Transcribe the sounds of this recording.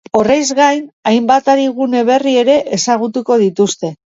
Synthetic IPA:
o̞rejzɣajnajmbat̪aɾiɣ̞une̞β̞e̞rie̞ɾe̞ʔesaɣ̞ut̪uko̞ð̞it̪ust̪e̞

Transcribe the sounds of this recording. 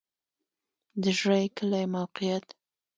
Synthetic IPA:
d̪əʒɾajkəlajmawqijat̪

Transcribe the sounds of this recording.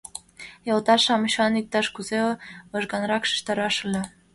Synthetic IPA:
jɑlˠt̪ɑʃɑmɤɕɑnik̚t̪ɑʃkuzeɤ̆ʒɡɑnɾɑkʃə̥̆ʃt̪ɑɾɑʃulʲe

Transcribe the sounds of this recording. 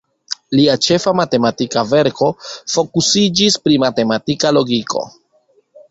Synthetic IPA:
liat͡ʃe̞famate̞matikave̞ɾko̞fo̞kusid͡ʒispɾimate̞matikalo̞ɡikʰo̞̰

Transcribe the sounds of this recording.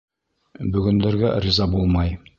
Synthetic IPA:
bɵ̆ɡɵ̆nd̪ɘ̆ɾɡærʲizɑbulˠmɑj

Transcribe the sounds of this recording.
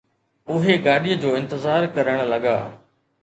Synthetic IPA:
ʊɦeɡaːɗijəd͡ʑoːɪ̃nt̪əzaːɾkɐɾəɽ̃lɐɡa̰ː

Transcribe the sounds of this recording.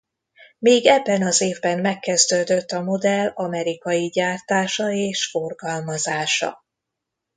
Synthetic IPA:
miːɡɛbːɛnɒzeːvbɛmːɛkːɛzd̪øːd̪øt̪ːɒmo̞d̪ɛlɒmɛɾikɒjiɟaːrt̪aːʃɒeːʃforɡɒlmɒzaːʃɒ̰

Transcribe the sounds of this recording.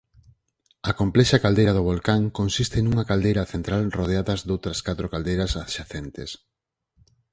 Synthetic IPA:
ɐkomplɛʃɐkald̪ejɾɐðʊβ̞olkaŋkonsist̪ɪnuŋɐkald̪ejɾɐθent̪ɾalroð̞eaðɐzd̪owt̪ɾɐskat̪ɾokald̪ejɾɐsaʃaθent̪ɪ̰s

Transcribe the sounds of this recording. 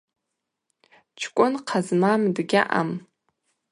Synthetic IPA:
t͡ʃʰkʷʼʊnqʰazmamdɡʲaʔa̰m

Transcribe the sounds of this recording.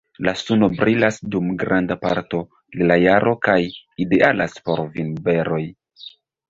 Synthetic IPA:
lasuno̞bɾilasdumɡɾandapa̰ɾto̞ | lilajaɾʔo̞kajidealaspo̞ɾvinbe̞ɾo̞j

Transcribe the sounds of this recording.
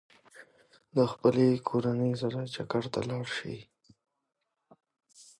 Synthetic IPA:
d̪əxpəlekʰoɾanəjzaɾat͡ʃakaɽt̪a̰lɑɽʃḭ

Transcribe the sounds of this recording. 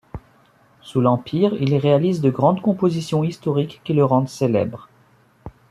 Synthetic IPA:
sulɑ̃pʰiʁilʁealizd̪əɡʁɑ̃d̪kɔ̃pozisjɔ̃ist̪ɔʁikːiləʁɑ̃d̪selɛ̰bʁ

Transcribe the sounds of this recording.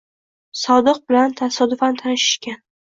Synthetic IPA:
sɒd̪ɨq̚bɪlant̪ʰasɒd̪ʊfant̪ʰanɪʃɪ̥ʃkʲan

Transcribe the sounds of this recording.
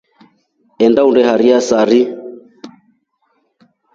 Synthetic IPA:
ɛndaundɛhaɾiasaɾi

